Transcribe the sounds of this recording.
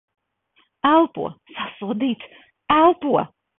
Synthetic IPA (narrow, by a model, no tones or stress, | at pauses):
ælˠpṵɔ̰sasuɔd̪iːt̪s | ælˠpuɔ